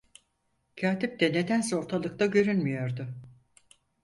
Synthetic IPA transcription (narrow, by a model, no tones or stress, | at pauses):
cʰaːt̪ip̚t̪ɛne̞d̪ænso̞ɾt̪ʰalˠɯkt̪aɟø̞ɾynmijo̞ɾd̪ʊ